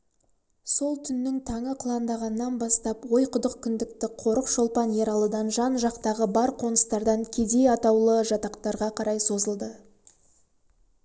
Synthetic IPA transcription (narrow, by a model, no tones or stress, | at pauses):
so̞lˠt̪ʰʏnːɪŋt̪ʰɑɴəqʰlˠɑnd̪ɑʁɑnəːɑnbɑst̪ɑpwo̞jqʰʊd̪əqkʰʲʏnd̪ɪk̚t̪ɪqʰo̞ɾəqʃo̞lˠpɑnje̞ɾɑlˠəd̪ɑnʒɑnʒɑqt̪ɑʁəbɑɾqʰo̞nəst̪ɑɾd̪ɑŋkʲʰe̞d̪e̞jɑt̪ɑwlˠəʒɑt̪ɑqt̪ɑɾʁɑqʰɑɾɑjso̞zəlˠd̪ə